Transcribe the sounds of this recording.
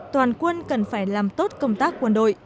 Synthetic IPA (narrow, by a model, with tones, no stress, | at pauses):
t̪waː˨˩nkwə˧nkə˨˩nfaː˧˩jlaː˨˩mt̪o˦˥t̚kə˧wŋ͡mt̪aː˦˥kːwə˧nɗo̰˧˨j